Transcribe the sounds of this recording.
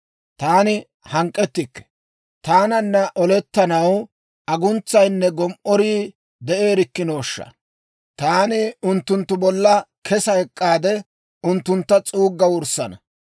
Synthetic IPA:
t̪aːnɪ | hɐŋkʼːɛt̪ːɪkːɛ̥ | t̪aːnɐnːɐʔɔlɛt̪ːɐnɐw | ɐɡʊnt͡sːɐjnːɛɡɔmʔɔɾiː | d̪ɛʔe̞ːɾɪkːɪno̞ːʃːɐ̰ | t̪aːnɪʊnt̪ːʊnt̪ːʊbɔlːɐkʰɛsɐɛkʼːaːd̪ɛ | ʊnt̪ːʊnt̪ːɐt͡sʼuːɡːɐwʊɾsɐnɐ

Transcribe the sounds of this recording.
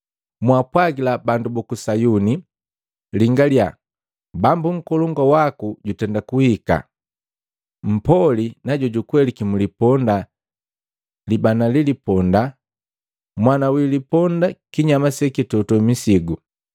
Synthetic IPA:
mwapwaɡilabandubɔkusajuni | liŋɡalja | bambuŋ̩kɔlɔŋɡawakuɟutɛndakuhika̰ | m̩pɔlinaɟɔɟukwɛlikimulipɔnda | libanalilipɔnda | mwanawilipɔndakiɲamasɛkitɔtɔmisiɡu

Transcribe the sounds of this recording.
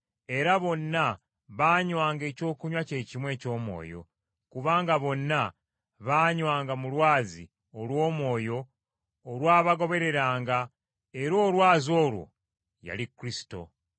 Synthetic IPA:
e̞ɾaβo̞nːa | βaːɲwaːŋɡe̞ːco̞ːkuɲwace̞ːcimwe̞ːco̞ːmwo̞̰ːjo̞̰ | kuβaːŋɡaβo̞nːa | βaːɲwaːŋɡamulwaːzḭ | olwo̞ːmwo̞ːjo̞ː | lwaːβaɡo̞βe̞ɾe̞ɾaːŋɡa | eɾo̞ːlwaːzo̞ːlwo̞̰ | ja̰likɾisi̥to̞̰

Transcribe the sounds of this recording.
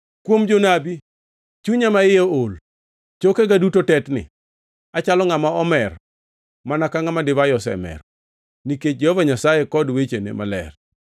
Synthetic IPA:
kwomd͡ʒonabi | t͡ʃuɲamaɪjool | t͡ʃokeɡadutotɛtnɪ̰ | at͡ʃalɔŋamaɔmɛr | manakaŋamadɪvajɔsɛ̰mɛ̰r | niket͡ʃ̚d͡ʒehovaɲasajekɔdwet͡ʃenḛmalɛ̰r

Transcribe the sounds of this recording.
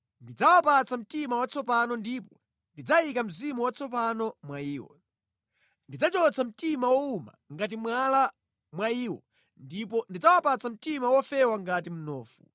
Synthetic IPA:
ndid͡zawapat͡sam̩timawat͡sɔpanɔndiːpɔ | ndid͡zaikam̩zimuwat͡sʰɔp̬anɔmwaiːwɔ̰ | ndid͡zat͡ʃɔt͡sʰam̩timawɔuma̰ŋɡat̬imwala | mwaiːwɔ | ndip̬ɔndid͡zawapat͡sam̩timawɔfɛwaŋɡatim̩nɔːfu

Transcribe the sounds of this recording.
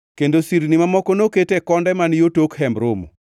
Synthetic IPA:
kendosiɾnimamɔkonoketekɔndɛmanjotokhɛmbɾomo̰

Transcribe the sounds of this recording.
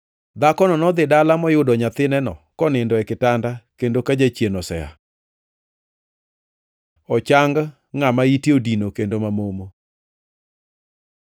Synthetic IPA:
d̪akɔnɔnɔd̪ɪdalamɔjʊdɔɲat̪ɪnɛnɔ̰kɔnɪndɔɛkɪtandakendokad͡ʒat͡ʃjenɔsɛ̰a̰ | ɔt͡ʃaŋɡ | ŋamaitiodinokendomamomo

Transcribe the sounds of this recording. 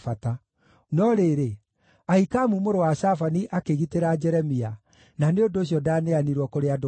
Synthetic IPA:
fata | nɔɾeɾe | aikamumoɾowaʃafaniʔakeɣiteɾad͡ʒɛɾɛmia | naneondoːɕ̬jɔdaːneaniɾwɔkoɾead

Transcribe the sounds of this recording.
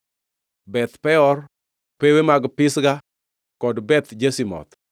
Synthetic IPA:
bɛt̪pɛɔr | pewemaɡpɪsɡa | kɔdbɛt̪d͡ʒesimɔ̰t̪

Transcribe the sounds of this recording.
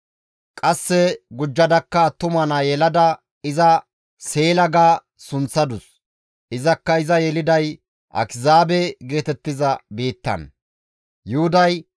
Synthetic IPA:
kʼɐsːɛɡʊd͡ʒːɐd̪ɐkːɐt̪ʊmɐnɐjɛlɐd̪ɐ | ɪzɐ | se̞ːlɐɡaː | sʊnt͡sːɐd̪ʊs | ʔɪzɐkːɐɪzɐjɛlɪd̪ɐj | ʔɐ̰kɪzaːbɛɡe̞ːt̪ɛt̪ːɪzɐbiːt̪ːɐ̰n | jʊhʊd̪ɐj

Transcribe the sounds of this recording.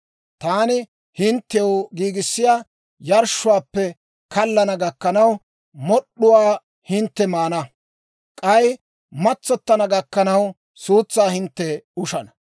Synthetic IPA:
t̪aːnɪ | hɪnt̪ːɛjwɡiːɡɪsːɪjaː | jɐɾʃːʊwaːpːɛ | kɐlːɐnɐɡɐkːɐnɐw | mɔɗʊwaː | hɪnt̪ːɛmaːnɐ | kʼɐj | mɐt͡sːɔt̪ːɐnɐɡɐkːɐnɐw | suːt͡sːaːhɪnt̪ːɛʊʃɐnɐ̥

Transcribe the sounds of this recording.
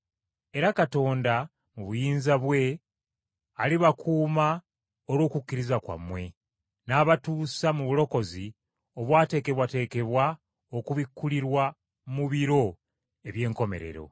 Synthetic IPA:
e̞ɾakato̞ːnda | muβujiːnzaβwe̞ | aliβakʰuːma | olwo̞ːkukːiɾizakwa̰mwe̞ | naːβatuːsamuβulo̞ko̞zi | o̞βwaːte̞ːke̞βwate̞ːke̞βwa | okuβikːuliɾwa | muβiɾo̞ | e̞βje̞ːŋko̞me̞̰ɾe̞̰ɾo̞̰

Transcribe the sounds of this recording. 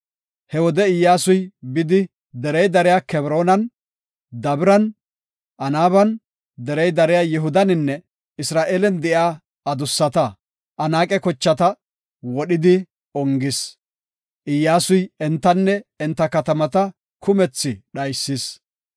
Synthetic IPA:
hɛwɔd̪ɛɪjːaːsʊjbɪd̪ɪ | d̪ɛɾɛjd̪ɐɾɪjaːkɛbɾo̞ːnɐn | d̪ɐbɪɾɐn | ʔɐnaːβɐn | d̪ɛɾɛjd̪ɐɾɪjaːjɛɦʊd̪ɐnɪnːɛ | ɪsɾaːʔeːlɛnd̪ɛʔjaː | ɐd̪ʊsːɐt̪ɐ | ʔɐnaːkʼɛkɔt͡ʃːɐt̪ɐ | wɔɗɪd̪ɪ | ɔŋɡɪs | ʔɪjːaːsʊjɛnt̪ːɐnːɛɛnt̪ːɐkɐt̪ɐmɐt̪ɐ | kʰʊmɛt͡sːɪɗɐjsːɪs

